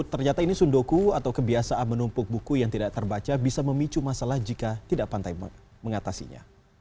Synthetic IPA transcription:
t̪ːərɲat̪ainisundokuat̪awkəbiasaʔanmənumpʊk̚bukujaŋt̪idaʔ̚t̪ərbat͡ʃabisaməmit͡ʃumasalahd͡ʒikat̪idaʔpant̪aj | məŋat̪asḭɲa̰

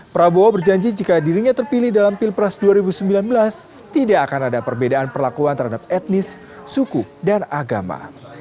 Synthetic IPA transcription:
pɾaboabərd͡ʒaɲd͡ʒid͡ʒikadiɾiɲat̪ərpilɪhdalampilpɾasduaɾibusəmbilanbəlas | t̪idaːkanadapərbedaanpərlakuant̪ərhadap̚ɛt̪̚nɪsː | ukudanaɡama̰

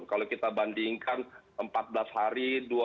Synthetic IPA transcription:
kalokit̪abandiŋkanʔəmpat̪̚blashaɾidua

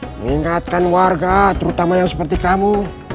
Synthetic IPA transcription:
iŋat̪̚kanwaɾɡat̪uɾut̪amajasḁpaɾt̪ikamu

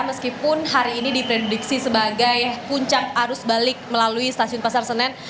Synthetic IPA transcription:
məskipʊnɦaɾiːnidipɾedudiksisəbaɡajpuɲt͡ʃak̚aɾʊsbalɪk̚məlaluist̪asiʊnpasarsənɛn

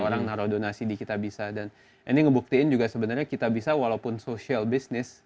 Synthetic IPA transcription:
oɾaŋnaɾodonasidikit̪abisadan | iniŋəbuk̚t̪iɪnd͡ʒuɡasəbənarɲakit̪abisawalaupʊnsoʃialbisnɪs

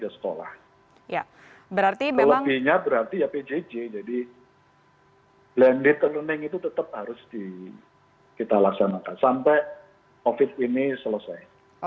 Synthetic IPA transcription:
ɡasə̥ko̰la̰h | ja | bəɾart̪iələt̪iɲabəɾart̪ijaped͡ʒed͡ʒed͡ʒadi | b̥lɛndɪt̪̚ələnɪŋit̪ut̪ət̪əp̚haɾʊsdi | kit̪alaksanakansampɛ | ofɪt̪̚inisələsaj

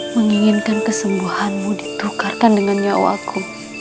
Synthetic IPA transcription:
məŋiŋɪnkankəsəmbuhanmudit̪ukarkandəŋanɲao̰a̰kʰu

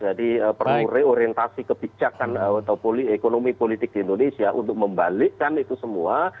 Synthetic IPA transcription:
d͡ʒadiəpəruɾɛoɾiɛnt̪asikəb̥id͡ʒakanəat̪awpoliekonomipolit̪ɪk̚diːndonesiaʔṵnt̪ʊk̚məmbalikanit̪usəmua

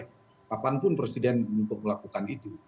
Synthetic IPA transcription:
kapanpʊnpɾesidɛnunt̪ʊk̚məlakukanit̪u

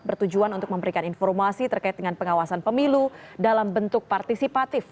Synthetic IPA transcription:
bərt̪ud͡ʒuanunt̪ʊk̚məmbəɾikaninfɔrmasit̪ərkaɪt̪̚dəŋanpəŋawasanpəmiludalambənt̪ʊk̚part̪isipat̪ɪf

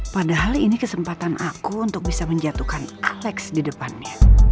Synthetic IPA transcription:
padaɦalinikəsəmpat̪anʔa̰kuunt̪ʊk̚bisaməɲd͡ʒat̪ukanalɛksdidəpanɲa

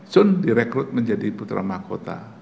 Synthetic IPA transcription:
sʊndiɾɛkɾʊt̪̚məɲd͡ʒadiput̪ɾa̰mahko̰t̪a̰

